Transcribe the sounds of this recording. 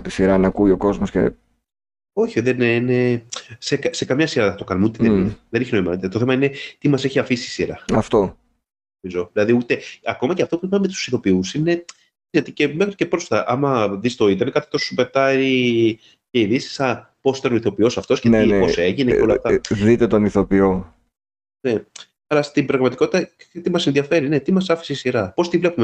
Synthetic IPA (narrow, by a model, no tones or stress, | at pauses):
t̪isiɾɐnɐkuioko̞zmoscḛ | o̞çiðenenesekɐsekɐmɲɐsiɾɐɐt̪o̞kɐnumeut̪eðenineðeneçinoimɐt̪et̪oθemɐine̞t̪imɐse̞çiɐfisiisiɾɐɐft̪o̞ | nomizo̞ðilɐðiut̪e̞ɐko̞mɐceɐft̪o̞pupɐmmet̪u̥siθo̞piusine̞ | izet̪ece̞mexɾice̞pɾosft̪ɐʔɐmɐðist̪o̞it̪emekɐt̪i̥t̪o̞ssupe̞t̪ɐɾi | ce̞iðisi̥sɐpo̞si̥t̪ɐno̞iθo̞pio̞sɐft̪o̞sceneieoseʝineeolɐft̪ɐðit̪et̪o̞niθo̞pio | ne̞ | ɐlɐst̪ibɾɐɣmɐt̪iko̞t̪i̥t̪ɐt̪imɐsenðiɐfe̞ɾine̞t̪imɐsɐfi̥siisiɾɐpo̞st̪ivle̞pume